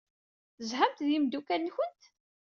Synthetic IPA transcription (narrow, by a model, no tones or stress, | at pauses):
zhamt̪ðimd̪ukænːçənt̪